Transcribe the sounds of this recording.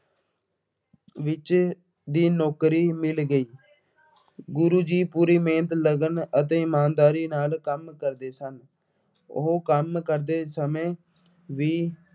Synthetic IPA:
ʋɪt͡ʃ | d̪iːnɔːkɾiːmɪlɡəiː | ɡʊɾuːd͡ʒiːpuːɾiːmẽːnt̪ləɡənət̪̬ẽːɪmaːnd̪aːɾiːnaːlkəmkəɾd̪eːsən | ʊ̰ɦoːkəmkəɾd̪eːsəmẽː | ʋiː

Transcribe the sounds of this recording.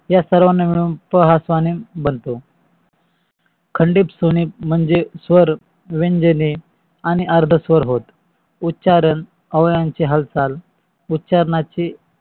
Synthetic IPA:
jasəɾʋanːemeɭuːnpəɦasʋanimbənt̪o | kʰəɳɖiːpsoniːm̤əɳd͡zesʋəɾ | ʋeɲd͡ʑəni | añiʔaɾd̪ʱəsʋəɾɦot̪ | utːɕaɾən | əʋjãɲt͡ɕiɦəlt͡sal | utːɕaɾɳat͡ɕi

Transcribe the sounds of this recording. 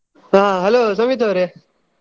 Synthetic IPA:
ɦãɦɐloːsɐmit̪̬ʰoːɾe

